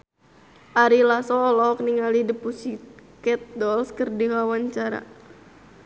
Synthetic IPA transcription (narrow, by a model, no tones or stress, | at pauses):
ʔaɾilasɔːlɔkniŋalidəpusikɛt̪̚dɔlskərdikawaɲt͡ʃaɾa̰